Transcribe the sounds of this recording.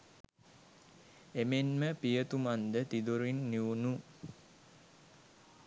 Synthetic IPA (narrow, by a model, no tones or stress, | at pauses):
emenməpijət̪umand̪ət̪id̪uɾinːiʋunu